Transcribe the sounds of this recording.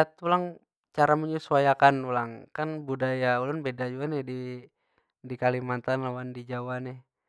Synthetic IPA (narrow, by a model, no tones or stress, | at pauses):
at̪ulaŋ | t͡ʃaɾamuɲusuajakanulaŋkanbudajaulʊnbedad͡ʒuanɛhdi | dikalimant̪anlawandid͡ʒawanɛh